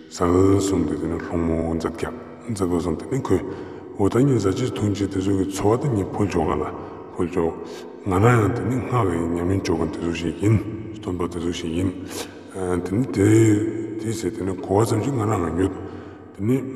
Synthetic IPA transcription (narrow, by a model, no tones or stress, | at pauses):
sasumt̪et̪eneɬoŋmond͡zat̪̚kʲaʔ | nd͡zapos̬umt̪enekʰøː | ɦot̪aɲiːzat͡ɕit̪ʰuŋt͡ɕʰit̪et͡sʰøkit͡sʰowat̪aɲiːpʰot͡ɕʰoʔkala | pʰolt͡ɕʰoʔ | ŋaɾaŋjaŋt̪eneŋ̥akiɲamint͡ɕokat̪et͡sʰoɕiʔjint̪ʰonpat̪et͡sʰoɕiʔjin | t̪enet̪et̪eset̪enekʰowat͡samɕiŋaɾaŋajøt̪aŋ | t̪ene